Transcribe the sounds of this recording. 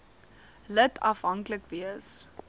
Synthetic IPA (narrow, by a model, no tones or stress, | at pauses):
lətʰɐfɦɐŋkləkviəs